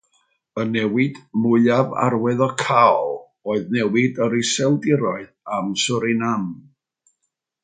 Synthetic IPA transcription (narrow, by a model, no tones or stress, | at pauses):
ənɛwɪd̥mʊɨava̰rwɛðɔkʰalˠ | oːɨðnɛwɪdəɾɪsɛlˠdɪɾɔɨðamsʊɾɪnam